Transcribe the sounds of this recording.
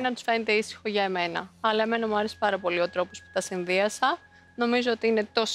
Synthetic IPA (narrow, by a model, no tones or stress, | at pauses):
nɐt̪u̥sfe̞net̪e̞isi̥xo̞ʝɐeme̞nɐ̰ɐlɐeme̞nɐmuɐɾe̞si̥pɐɾɐpo̞lio̞t̪ɾo̞po̞spu̥t̪ɐsinðiɐsɐ | no̞mizoot̪iine̞t̪o̞s